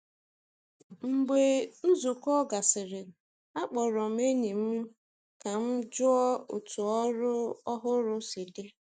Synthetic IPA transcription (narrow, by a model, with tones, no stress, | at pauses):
ŋ͡m̩˨ɡ͡be˨n̩˦zu˨kɔ˦ɡa˨sɪ˨ɾɪ˨ | a˦k͡pɔ˨ɾɔ˨m̩˦e˦ɲi˨m̩˦ | ka˨m̩˦d͡ʒʊ˦ɔ˦ʊ˨tu˨ɔ˦ɾʊ˦ɔ˦ɦʊ˦ɾʊ˦si˨de˦